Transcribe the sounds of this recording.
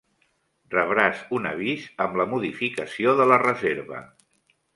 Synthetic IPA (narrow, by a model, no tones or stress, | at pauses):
rəβɾazunə̰β̞izəmləmuðifikəsioðələrəzeɾβə̰